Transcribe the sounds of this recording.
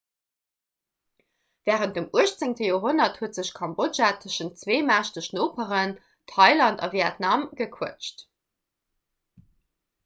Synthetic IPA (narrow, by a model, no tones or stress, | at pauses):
vɛːʁənt̚dəmuəʃt͡sɪŋtəjoːɦonɐthuətz̥əɕkʰɑmbod͡ʒatʰəʃənt̚t͡sveːmaːʃdəʃnoːpʰəʁən | tʰɑɪlɑntɑ̰viɛtnɑmɡəkʰuət͡ʃt